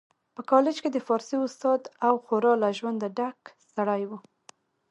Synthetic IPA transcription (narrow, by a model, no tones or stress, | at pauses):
pəkɑlɪd͡ʒked̪əfɑɾsiʊst̪ɑd̪awxoɾɑlaʒwand̪aɖaksaɽajwu